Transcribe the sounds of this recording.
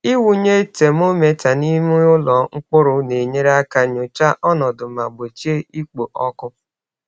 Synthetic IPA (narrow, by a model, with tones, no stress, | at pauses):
i˦wu˨ɲe˦te˨m˦o˦me˨ta˨ni˦mu˦ʊ˦lɔ˨ŋ̩˦k͡pʊ˦ɾʊ˨ne˨ɲe˦ɾa˦ka˦ɲo˨t͡ʃa˦ʔɔ˦nɔ˨dʊ˨ma˨ɡ͡bo˨t͡ʃi˦e˦i˦k͡po˨ʔɔ˦kʊ˦